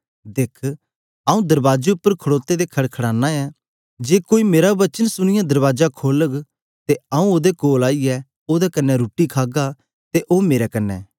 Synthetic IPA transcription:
d̪eːkʰ | aːũd̪ɐɾbaːd͡ʒeʊpːəɾkʰəɽoːt̪ed̪ekʰɐɽkʰɐɽaːnːaɛ | d͡ʒeːkoːimeːɾaʋɐt͡ʃənsʊɽ̃ɪjãd̪ɐɾʋaːd͡ʒakʰoːləɡ | t̪eɐũoːd̪ekoːlaːiɛ | oːd̪ɛkɐnːɛɾuːʈikʰaːɡa | t̪eʔoːmeːɾɛkɐnːɛ̰ː

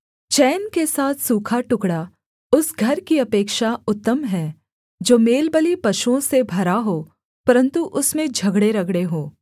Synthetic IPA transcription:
t͡ʃɛːnkesaːt̪ʰsuːkʰaʈʊkɽa | ʊsɡʱɐɾkiɐpeːkʃaʊt̪ːəmɦɛː | d͡ʒoːmeːlbəlipɐʃuõsebʱɐɾaɦoː | pɐɾə̃nt̪uʔʊsmẽd͡ʒʱɐɡɽeɾɐɡɽeɦoː

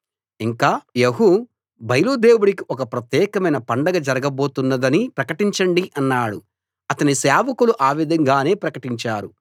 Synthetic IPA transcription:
iŋkaːjeɦu | bɐjluːd̪e̞ːwuɽikiʔɔkɐpɾɐt̪jɛːkɐmɐjnɐpɐɳɖɐɡɐd͡ʒɐɾɐɡɐbo̞ːt̪unːɐd̪ɐnipɾɐkɐʈiɲt͡ʃɐɳɖiʔɐnːaːɽṵ | ɐt̪ɐnisaːʋɐkuluʔaːʋid̪ʱɐŋɡaːne̞ːpɾɐkɐʈiɲt͡ʃaːɾu

